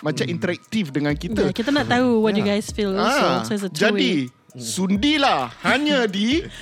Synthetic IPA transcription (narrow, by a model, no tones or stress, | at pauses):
mat͡ʃamint̪əɾɛk̚t̪ifdəŋãnkitj̪əakit̪anaʔt̪ːauwɔt̬̚juɡajsfilãosoɪs̬ətʰd͡ʒadi | sundilahhaɲədi